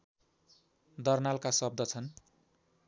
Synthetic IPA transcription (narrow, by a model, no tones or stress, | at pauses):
d̪ʌrnalkasʌb̚d̪ʌt͡sʰʌn